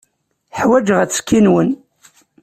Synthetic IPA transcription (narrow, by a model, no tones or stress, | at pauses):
ħwæd͡ʒʁæt͡sːkːinwən